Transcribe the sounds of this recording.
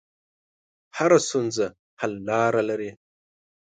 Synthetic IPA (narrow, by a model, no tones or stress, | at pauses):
haɾasunza | halːaːɾalɐɾe